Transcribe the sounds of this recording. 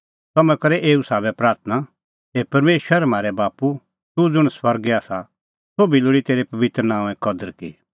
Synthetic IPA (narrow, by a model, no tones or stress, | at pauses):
t̪ɐmɛ̃kɐɾɛʔeːusaːbɛpɾaːɾt̪ʰna | eːpɐɾmeːʃəɾmaːɾɛbaːpu | t̪ud͡zʊɽ̃swɐɾɡɛaːsa | soːbiloːɽit̪eːɾepɐʋɪt̪ɾənãːɛ̃kɐd̪əɾkḭ